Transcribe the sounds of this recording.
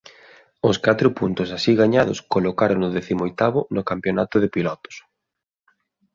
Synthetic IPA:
ʊskat̪ɾʊpunt̪ʊsasiɣaɲaðʊskolokaɾʊŋnʊðɛθimoojt̪aβʊnʊkampjonat̪ʊðɪpilɔt̪ʊ̥s

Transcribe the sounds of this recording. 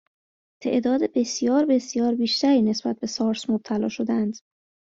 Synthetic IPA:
t̪ʰe̞̰ʔd̪ɒːd̪ebe̞sijɒːɾbe̞sijɒːɾbiːʃt̪æɾiːne̞sb̥æt̪̚be̞sɒːɾsmob̥̚t̪ʰælɒ̰ːʃo̞d̪æænd̪̥

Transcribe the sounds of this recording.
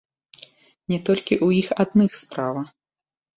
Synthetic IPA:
nʲɛt̪ɔlʲkʲiʔujixad̪̚nɨxspɾavɐ

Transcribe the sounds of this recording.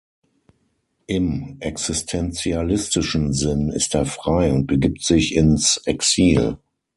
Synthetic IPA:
ʔɪmʔɛksɪstʰɛnt͡sialɪstɪʃn̩zɪnɪ̰steːɐfʁ̥aɪʊnt̚b̥əɡiːp̚tz̥ɪçɪnsʔɛksiːl

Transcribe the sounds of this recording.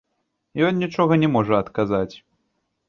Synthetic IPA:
jɔnnʲit͡ʂɔɣɐnʲɛmɔʐɐɐt̪kazat͡sʲ

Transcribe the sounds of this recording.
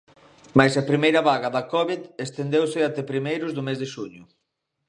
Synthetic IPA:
majsapɾimejɾɐβaɣaðɐkɔβiðest̪end̪ewsɪat̪ɛpɾimejɾʊzðʊmezðɪʃuɲʊ

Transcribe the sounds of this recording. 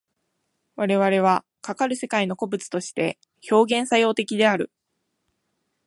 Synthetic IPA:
βaɾe̞βaɾe̞β̞a | kakaɾɯ̟se̞kaino̞ko̞bɯ̟t͡sɨ̥t̪o̞ɕi̥t̪e̞ | ço̞ːɡẽ̞ɰ̃sajo̞ːt̪e̞kʲid̪e̞aɾɯ̟

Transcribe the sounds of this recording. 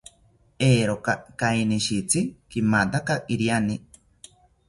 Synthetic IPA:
eːɾokakainiʃit͡sikimat̪akaʔiɾjani

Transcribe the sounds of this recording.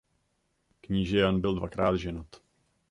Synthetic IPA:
kɲiːʒɛjanbɪldvakɾaːd̪ʒɛnot̪

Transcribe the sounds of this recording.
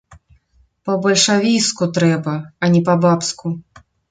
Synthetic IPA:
pɐbɐlʲʂavʲiskut̪ɾɛbɐɐnʲɛpɐbapsku

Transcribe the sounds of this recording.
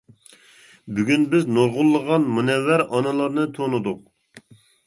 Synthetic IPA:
byɡʲynbɪznoɾʁʊlˠːəʁɑnmunɛwːæɾɑnɨlˠɑɾnɨt̪ʰonud̪ʊq̚

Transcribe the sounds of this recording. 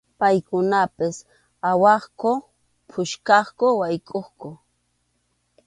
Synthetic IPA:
pajkʊnapɪs | awɑχkʊ | pʰʊʃkɑχkʊwajkʼoχkʊ

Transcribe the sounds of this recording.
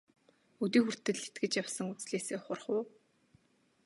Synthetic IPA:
ut̪iːxur̥t̪ɘ̆ɮet̪̚ɡɘ̆t͡ɕjawsə̆ŋut͡sɮeːseːχʊrχʊː

